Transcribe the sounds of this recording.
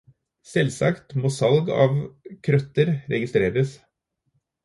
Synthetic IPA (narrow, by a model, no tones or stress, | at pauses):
sɛlsɑkt̪moːsɑlɡɑ̰ːʋkʰɾœt̪əɾɾɛ̰ɡɪst̪ɾeːɾəs